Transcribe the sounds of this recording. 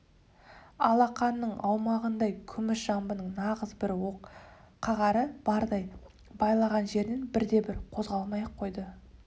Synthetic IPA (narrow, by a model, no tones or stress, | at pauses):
ɑ̰lˠɑqɑnːəɴʔɑwmɑʁənd̪ɑjkʲʰʏmɪʃʒ̥ɑmbənəɴnɑʁəzbɪɾwo̞q | qʰːɑʁɑɾəb̥ɑɾd̪ɑj | bɑjlˠɑʁɑnʒe̞ɾd̪e̞nbɪɾd̪e̞bɪɾqʰo̞zʁɑlˠmɑjəqʰːo̞jd̪ə